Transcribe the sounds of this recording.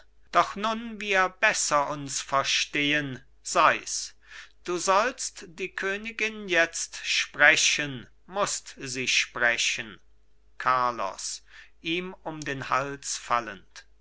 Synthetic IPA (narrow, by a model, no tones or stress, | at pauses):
d̥ɔχnʊnviːɐbɛsɐʔʊnsfɛɐʃteːən | z̥aɪs | d̥uːzɔlstd̥iːkʰøːnɪɡɪnjɛt͡stʃpʁ̥ɛɕən | mʊstziːʃpʁɛɕən | kʰaɐlɔ̰sʔiːmʊmdeːnha̰lsfa̰lə̰nt